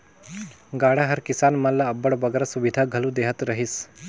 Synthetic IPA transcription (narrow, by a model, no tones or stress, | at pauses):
ɡaɽaɦəɾkisanməlːaəbəɽbəɡɾasuʋid̪ʱaɡʱəlud̪eɦət̪ɾəɦiːs